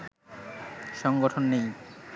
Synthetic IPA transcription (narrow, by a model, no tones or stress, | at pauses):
ʃɔŋɡoʈʰonːej